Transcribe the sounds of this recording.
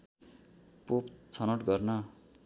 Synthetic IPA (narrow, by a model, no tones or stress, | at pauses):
popt͡sʰʌnʌʈɡʌrnʌ